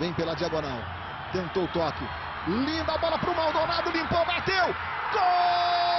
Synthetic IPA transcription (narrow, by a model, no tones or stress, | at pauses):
vẽj̃pelɐd͡ʒiaɡonaw | t̪ẽnt̪oʊt̪ɔkɪ | lĩnd̪ɐbɔlɐpɾʊmawd̪onad̪ʊlĩmpobat̪ew | ko